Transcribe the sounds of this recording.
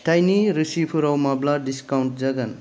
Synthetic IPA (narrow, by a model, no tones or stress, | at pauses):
tajniɾusipʰuɾawmabladiskawnʈ̚d͡ʒɐɡan